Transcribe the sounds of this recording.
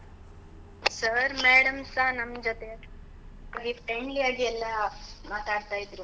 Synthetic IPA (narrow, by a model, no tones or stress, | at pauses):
sɐɾmeːɽɐmsaːnɐmd͡ʒot̪e | ifʰɾeɳɖlijaːɡiɛlːɐmaːt̪aːɽt̪aːjid̪ɾu